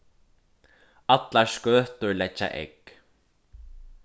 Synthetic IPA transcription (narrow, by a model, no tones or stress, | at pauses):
at̪laɹskœːht̪ʏɹlɛt͡ɕːa̰ʔḛjk